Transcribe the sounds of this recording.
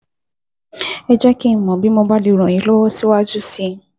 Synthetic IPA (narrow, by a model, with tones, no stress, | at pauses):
ɛ˧d͡ʒɛ˦ki˦n̩˨mɔ̃˨bi˦mɔ̃˧ba˦li˨˦˨ɾ̃ɔ̃˨i˨˦lɔ˦wɔ˦si˦wa˦d͡ʒu˦si˧